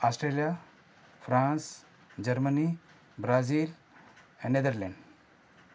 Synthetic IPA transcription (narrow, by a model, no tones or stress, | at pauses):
ɔsʈɾeːlija | fʰɾãːns | d͡ʒəɾməni | bɾaziːl | ɛ̃nɖned̪əɾlɛ̃ɳɖ